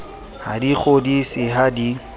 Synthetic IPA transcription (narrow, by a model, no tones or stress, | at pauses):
ha̰diχodisɪɦadi